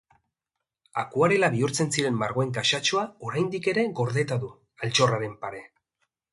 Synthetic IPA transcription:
a̰kuaɾe̞laβiuɾt͡se̞nsiɾe̞mːaɾɣ̞oe̞ŋkaʃat͡ʃoao̞ɾajnd̪ike̞ɾe̞ɣo̞ɾðe̞t̪aðu | alt͡ʃo̞raɾe̞mpaɾe̞

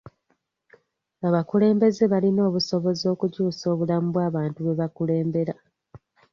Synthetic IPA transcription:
aβakule̞ːmbe̞ze̞βalino̞ːβuso̞βo̞zo̞ːkucuːso̞ːβulamuβwaːβaːntuβe̞βakule̞ːmbe̞ɾa

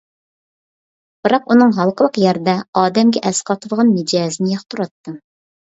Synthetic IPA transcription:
b̥ɨɾɑqunɨŋɦɑlˠqəlˠəqjæɾd̪ɛɑːd̪ɛmɡʲɛʔɛsqʰɑt̪ʰɨlˠʁɑnmɪd͡ʒɑːzɨnɪjɑχt̪ʰuɾɑt̪ːɨ

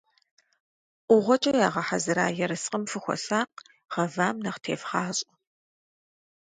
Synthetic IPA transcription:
ʔʷʊʁʷɔt͡ʃʼɐjaːʁɐħazɨɾa̰ːjɛɾɨsqʼəmfɨxʷɔ̰ɬaːq | ʁɐvaːmnɐχtʰeːfχɑːɕʼɪ

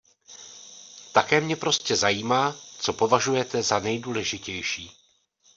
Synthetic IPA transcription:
t̪akɛːmɲɛpɾo̞scɛzajiːmaːt͡so̞po̞vaʒujɛt̪ɛzanɛjduːlɛʒɪcɛjʃiː

